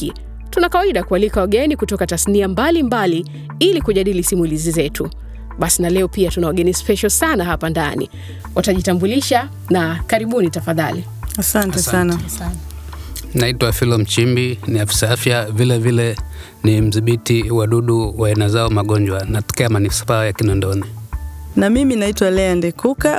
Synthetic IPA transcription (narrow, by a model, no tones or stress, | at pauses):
i | tunakawaiɗakualikawaɠɛnikutɔkatasniambalimbali | ilikuʄaɗilisimulizizɛtʰu | ɓasinalɛɔpiatunawaɠɛnispɛʃɔsanaɦapandanḭ | wʔataʄitambuliʃa | nakaɾiɓunitafaðali | asantɛsan | naitwafilɔm̩t͡ʃimbiniafi̥saafjavilɛvilɛ | nim̩ziɓitiwaɗuɗuwaɛnazaɔmaɠɔnd͡ʒwanatɔ̥kɛamanispaːjakinɔndɔninamiminaitwalɛandɛkʰuka